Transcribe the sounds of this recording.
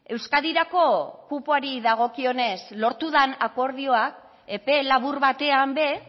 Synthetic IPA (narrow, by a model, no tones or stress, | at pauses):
e̞wskaðiɾako̞kupoaɾiðaɣ̞o̞kio̞ne̞slo̞ɾt̪uðanako̞ɾðio̞ak̚ | e̞pe̞laβ̞uɾβat̪e̞ambe̞